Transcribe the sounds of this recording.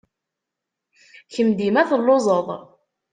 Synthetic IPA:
çəmd̪imæθəlːozˤəðˤ

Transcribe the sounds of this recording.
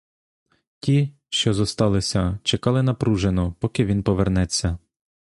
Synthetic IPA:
tʲi | ʃt͡ʃɔzɔst̪ɑlˠɪsʲɐt͡ʃekɑlˠɪnɐpɾuʒenɔpɔkɪʋʲinpɔʋernɛt͡sʲːɐ

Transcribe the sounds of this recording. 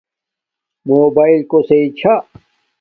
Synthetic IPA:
moːbaːilkoseit͡ɕʰa

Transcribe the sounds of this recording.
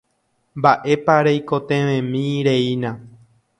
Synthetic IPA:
mbaʔe̞paɾejkot̪ẽʋẽmĩɾeinã

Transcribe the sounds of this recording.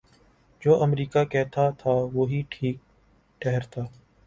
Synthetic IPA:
d͡ʒoːʔəmɾiːkaːkɛːt̪ʰaːt̪ʰaːʋoːɦiːʈʰiːk̚ | ʈɛɦɾt̪ʰaː

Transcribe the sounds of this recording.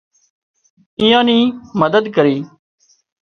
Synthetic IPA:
ĩjãːniːməd̪əd̪kəɾiː

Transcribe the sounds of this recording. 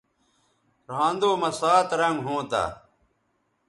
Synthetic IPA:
ɾãːnd̪oːmɐsaːt̪ɾɐŋɡɦõːt̪a̰ː

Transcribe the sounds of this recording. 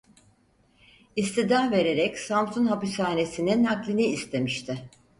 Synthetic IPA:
ist̪id̪ahve̞ɾe̞ɾɛcsamsunɦapisaːne̞sininaklʲiniːst̪ʰe̞miʃt̪ʰɪ

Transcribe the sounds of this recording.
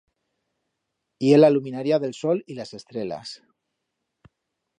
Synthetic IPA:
ielaluminaɾiaðe̞lsolilase̞st̪ɾela̰s

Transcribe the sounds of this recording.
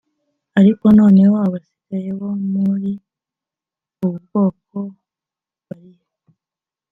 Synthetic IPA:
aɾiko̞no̞ːne̞woaβasi̥ɡ̥aje̞womuɾi | uβuɾɡo̞ːk̚o̞ | βaɾijo

